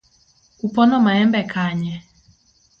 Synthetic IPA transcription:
upɔnɔmaɛmbɛkʰaɲɛ

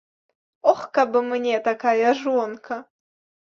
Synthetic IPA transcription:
ɔxkabɨmnʲɛt̪akajɐʐɔnkʰɐ

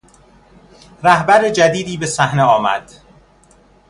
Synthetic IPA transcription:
ɾæhbæɾed͡ʒæd̪iːd̪iːbe̞sæhneɒːmæ̰d̪̥

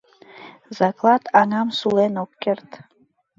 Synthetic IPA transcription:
zaklˠat̪ʰaŋamsulenokkʲert̪ʰʼ

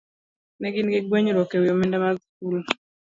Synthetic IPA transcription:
nɛɡɪnɡɛɡweɲɾɔkewiomɛndamask̚ul

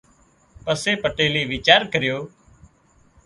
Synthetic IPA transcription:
pəseːpəʈeːliːʋiːt͡ʃaːɾkəɾɪjoː

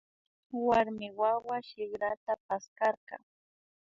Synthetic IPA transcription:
waɾmɪwawaʃɪɡɾat̪apaskɑɾqɑ̰

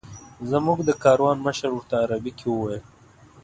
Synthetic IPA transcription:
zamuɡd̪əkɑːɾwɑːnməʃəɾuɾt̪aːɾabikʰewuwɑjə

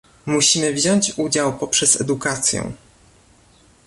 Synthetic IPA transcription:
muɕimɘvʑɔɲt͡ɕud͡ʑawpɔpʂɛz̥ɛ̰d̪ukat̪sʲjɛ̰̃

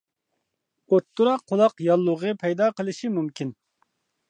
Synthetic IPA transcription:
ot̪ʰːuɾɑqʰːolˠɑqjɑlˠːʊʁəpʰɛjd̪ɑːqəlˠɨʃimumkʲʰin

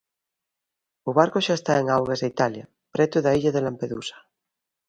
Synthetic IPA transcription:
ʊβaɾkʊʃaest̪aeŋawɣazðeit̪alja | pɾɛt̪ʊðaiʎaðelampeðṵsɐ̥

